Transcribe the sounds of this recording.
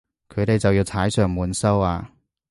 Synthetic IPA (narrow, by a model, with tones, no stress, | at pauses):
kʰɵ˨˧ɥt̪e˨jt͡sɐ˨wjiː˧wt͡sʰaː˨˥jsœː˨˧ŋmuː˨˥nsɐ˥waː˧